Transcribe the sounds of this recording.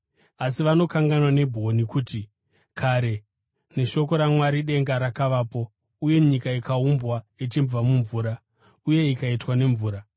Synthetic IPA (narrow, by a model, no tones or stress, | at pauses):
asiʋano̞kaŋɡanwane̞bʱo̞nikuːti | kʰaɾe̞ | ne̞ʃo̞ko̞ɾamwaɾiɗe̞ŋɡaɾakaʋaːpo̞ | uje̞ɲikaikaumbwait͡ʃimvamuɱvuːɾa | uje̞ikaitwane̞ɱvuːɾa